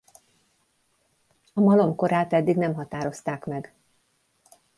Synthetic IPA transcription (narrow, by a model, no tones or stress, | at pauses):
ɒmɒlo̞mko̞ɾaːt̪ɛd̪ːiɡnɛmɦɒt̪aːɾo̞st̪aːkmɛɡ